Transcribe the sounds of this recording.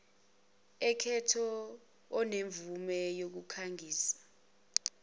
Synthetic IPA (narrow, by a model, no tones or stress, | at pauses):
ɛkʰɛtʰɔː | neɱvumɛjok̬ukʰaŋʱiːsḁ